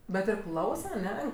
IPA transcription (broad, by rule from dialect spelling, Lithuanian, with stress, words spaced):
bʲɛt ɪr ˈklˠɐʊsɐ ɐˈnʲɛ